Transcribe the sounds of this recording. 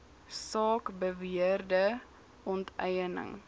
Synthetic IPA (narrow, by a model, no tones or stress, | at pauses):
sɑːkbəviərdə | ɔntɛjənə̰ŋ